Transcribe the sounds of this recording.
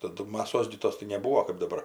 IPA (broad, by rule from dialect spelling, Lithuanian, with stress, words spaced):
tɐˈdʊ mɐˈsoːs ɡʲɪ ˈtoːs tɐɪ nʲɛbuːoː kɜp dɐˈbɐr